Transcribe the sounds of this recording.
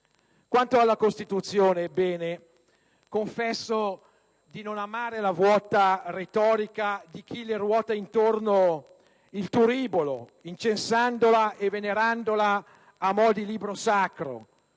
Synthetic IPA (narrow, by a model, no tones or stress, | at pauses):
kwant̪oalːakost̪it̪ut̪sːjoːnebɛːne | koɱfɛsːo | d̪inonamaːɾelavwɔːt̪aret̪ɔːɾikad̪ik̟ʰilerwɔːt̪aint̪orno | ilt̪uɾiːbolo̰int͡ʃensand̪olaʔeveneɾand̪olaː | mɔd̪iliːbɾosakɾo̰